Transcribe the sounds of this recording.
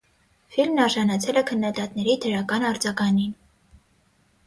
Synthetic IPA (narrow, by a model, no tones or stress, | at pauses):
filmnɑɾʒɑnɑt͡sʰɛlɛkʰənːɑd̪ɑt̪nɛɾid̪ʰəɾɑkɑnɑɾd͡zɑɡɑnin